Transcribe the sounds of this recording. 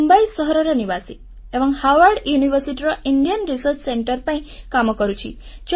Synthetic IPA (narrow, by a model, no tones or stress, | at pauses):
mbaisəɦɾɔɾeniʋasi | eʋə̃ŋhaʋəɾɖjuniʋəɾsiʈiɾaiɳɖijənɾisəɾt͡ʃseɳʈəɾpə̃ĩkaməkəɾũt͡ʃʰḭ | d͡ʒ